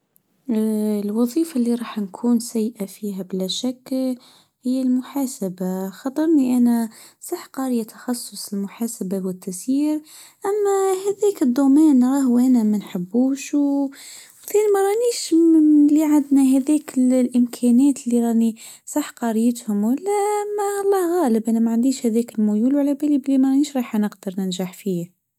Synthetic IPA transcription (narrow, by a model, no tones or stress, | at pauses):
lwɑðˤiːfalːiɾˤɑːħnkʰuːnsæjːʔafiːɦæbɪlæʃakː | hɪjːælmʊħaːsabaxɑt̪ˤːɑɾˤniʔænæ | sˤɑħqɑːɾjat̪ḁxɑsˤːʊsˤɪlmʊħaːsabawɪt̪ːæsjiːɾ | ʔæmːæhæðæːkəd̪ːumæːnɾˤɑːhʔænæmænħəbːuːʃw | θinimæɾˤɑʔniːʃliʕand̪næɦæðɛːkllʔɪmkʰænæːt̪lːiɾˤɑːʔni | sˤɑħqɑɾɪjət̪hʊmwəlːæmælˤːɑːhɣæːləbʔænæmaʕand̪iːʃhæðɛːkɪlmʊjuːlwalæbæliblimæɾˤɑʔniːʃɾˤɑːħnəqd̪əɾˤnənʒaħfiː